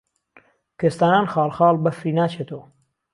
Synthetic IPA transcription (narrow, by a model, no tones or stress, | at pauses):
kʰest̪aːnaːnxɑːlˠχɑːlˠbɐfɾiːnaːt͡ʃʰet̪ʰowɐ